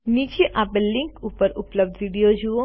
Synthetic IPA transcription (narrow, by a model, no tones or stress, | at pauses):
nid͡ʒeʔapelɪŋkupəɾʊpləb̚d̪ʋiɽijod͡ʒuo